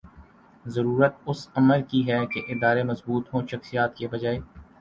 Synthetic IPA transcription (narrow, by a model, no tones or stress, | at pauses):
zɐɾuːɾət̪̚ʊsɐməɾkiɦɛkeʔɪd̪aːɾemɐzbuːt̪ɦõːʃɐxsijaːt̪kebɐd͡ʒaːeː